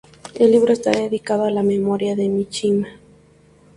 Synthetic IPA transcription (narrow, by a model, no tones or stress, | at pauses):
elːiβ̞ɾoest̪a̰ðeðikaðoalame̞moɾjaðe̞mit͡ʃima